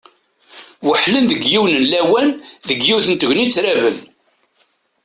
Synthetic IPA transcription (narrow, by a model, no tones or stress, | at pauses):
wəħlənðəɡjiwnənlæwænðəɡjiwθənt̪əʝʷnit͡sːɾævən